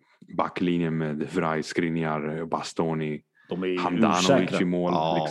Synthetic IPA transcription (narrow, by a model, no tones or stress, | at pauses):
bakːlinjəmɛːd̪vɾajskɾɪnjaɾbast̪ɔːni | d̥̪ɔhand̪a̰nɔɪəmoːllɪk